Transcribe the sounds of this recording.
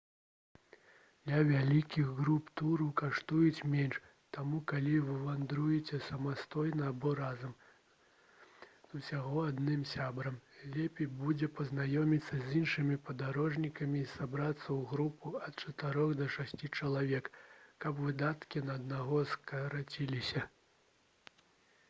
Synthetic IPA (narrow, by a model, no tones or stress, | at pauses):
d̪lʲɐvʲalʲikʲiɣɣɾupt̪uɾɐwkaʂt̪ujut͡sʲmʲɛnʂ | t̪amukalʲivɨvand̪ɾujɛt͡sʲɛsɐmast̪ɔjnɐːbɔɾazɐm | z̥usʲaɣɔad̪nɨmsʲabɾɐmlʲɛpʲɛjbud͡zʲɛpɐznajɔmʲit̪sːɐzʲinʂɨmʲipɐd̪aɾɔʐnʲikɐmʲisabɾat̪sːɐwɣɾupuɐt̪̚t͡ʂɐt̪ɨɾɔɣd̪ɐʂasʲt͡sʲit͡ʂɐlˠavʲɛkːɐpvɨd̪at̪kʲinɐːd̪naɣɔskɐɾat͡sʲilʲisʲɐ